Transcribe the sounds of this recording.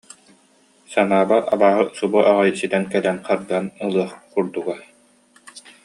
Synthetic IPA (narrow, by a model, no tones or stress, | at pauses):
sanaːbaa̰baːɦɯsubuʔaʁajsit̪ɛnkɛlɛnqaɾd̪anɯlˠɯɐχkuɾd̪uɡa